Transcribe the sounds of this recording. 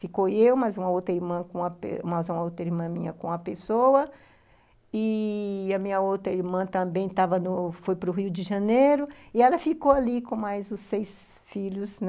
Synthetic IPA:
fikoewmɐzũmɐowt̪ɾɐiɾmɐ̃kõɐpḛṵ̃mɐzũmɐowt̪ɾɐiɾmɐ̃mĩɲɐkõɐpesowɐ | ɪɐmĩɲɐowt̪ɾɐiɾmɐ̃t̪ɐ̃bẽj̃t̪avɐnʊfojpɾʊɦiʊd͡ʒɪʒɐnejɾʊɪɛlɐfikowalikõmajzʊsejs | fiʎʊsn

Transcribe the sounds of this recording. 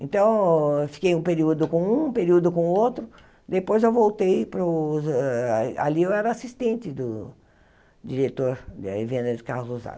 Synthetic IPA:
ẽnt̪ɐ̃w̃fi̥kejũpeɾiud̪ʊkõũpeɾiud̪ʊkõʊot̪ɾʊ | d̪epojzewvowt̪ejpɾʊz | a̰liewɛɾɐasist̪ẽnt͡ʃɪd̪ʊ | d͡ʒiɾet̪oɾd̪evẽnd̪ɐd͡ʒɪkaɾluza̰

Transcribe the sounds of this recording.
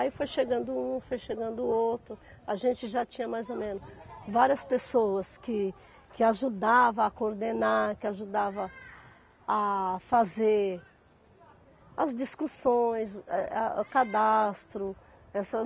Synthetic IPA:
aifojʃeɡɐ̃nd̪ʊũfojʃeɡɐ̃nd̪ʊowt̪ɾʊaʒẽnt͡ʃɪʒat͡ʃĩɲɐmajzomẽnʊsvaɾiɐspesowɐskɪ | kɪaʒud̪avɐakoɾd̪enakɪaʒud̪avɐ | afazeɾ | ɐzd͡ʒiskusõj̃sɛaukad̪ast̪ɾʊ | ɛsɐ

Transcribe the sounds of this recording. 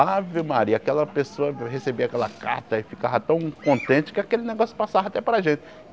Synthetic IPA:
aviwmaɾiɐakɛlɐpesoɐhesebiakɛlɐ̰ka̰ɾt̪ɐɪfikavɐt̪ɐ̃w̃kõnt̪ẽt͡ʃɪ̥kɪakelɪneɡɔsjʊ̥pasavɐat̪ɛpɾaʒẽt͡ʃɪ̥

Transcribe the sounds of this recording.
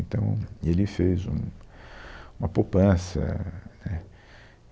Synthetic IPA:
nt̪ɐ̰̃w̃elɪfezũ | ũmɐpopɐ̃sɐ̰nɛ

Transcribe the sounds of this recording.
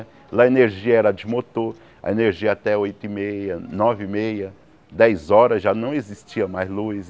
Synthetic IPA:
lɐeneɾʒiɐɛɾɐd͡ʒɪmot̪oɾ | ɐ̰eneɾʒiɐat̪ɛojt̪ʊimejɐnɔvɪmejɐ | d̪ɛjzɔɾɐzʒanɐ̃w̃ezist͡ʃiɐmajzlus

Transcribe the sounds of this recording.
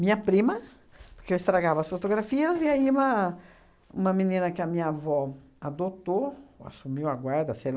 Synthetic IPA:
mĩɲɐpɾĩmɐ | poɾkeewist̪ɾaɡavɐsfot̪oɡɾafiɐzɪaiũmɐ | ṵ̃mɐminĩnɐkɪɐmĩɲɐavɔ | ad̪ot̪oa̰sumiwaɡwaɾd̪ɐsejl

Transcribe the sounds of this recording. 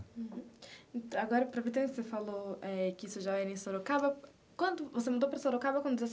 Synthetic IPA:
h | aɡɔɾɐpɾɐvet̪ẽksefaloɛkɪisʊʒaɛɾẽj̃soɾokabɐ | kwɐ̃nd̪ʊvosemɐ̃d̪opɾɐsoɾokabɐkwɐ̃nd̪ʊd̪izɐs

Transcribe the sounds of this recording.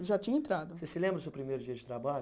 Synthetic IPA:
ʒat͡ʃĩɲɐẽnt̪ɾad̪ʊsesɪlẽmbɾɐdʊsewpɾimejɾʊd͡ʒiɐd͡ʒɪt̪ɾabaʎ

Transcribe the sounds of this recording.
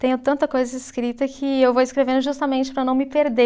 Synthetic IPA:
t̪ẽɲʊt̪ɐ̃nt̪ɐkojzɐɪskɾit̪ɐkʰɪewvowɪskɾevẽnd̪ʊʒust̪ɐmẽnt͡ʃɪ̥pɾɐnɐ̃w̃mɪpeɾd̪e

